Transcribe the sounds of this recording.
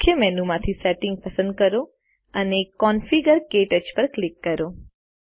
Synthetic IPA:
kʰjəmɛnumãt̪ʰisɛʈɪ̃ŋɡ̚pəsə̃nd̪̚kəɾo | ənekːɔnfiɡəɾkeʈəd͡ʒpəɾklɪkːəɾo

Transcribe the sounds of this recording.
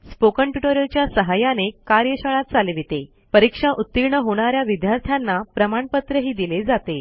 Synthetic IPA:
spokəɳʈjuʈoɾjət͡ɕjasəɦajanekaɾjəɕəɭat̪̚t͡saleʋit̪e | pəɾikʂaʔut̪ːiɾɳəɦoɽ̃aɾjaʋid̪jaɾt̪ʰjanːapɾəmaɳpət̪ɾəɦiːd̪iled͡zat̪e

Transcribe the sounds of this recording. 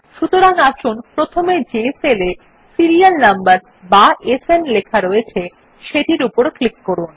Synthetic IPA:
ʃut̪oɾaŋaʃunpɾot̪ʰomed͡ʑesele | siɾijalnambaɾ | baesenlekʰaɾoet͡ɕʰe | ʃeʈiɾupoɾklikːoɾun

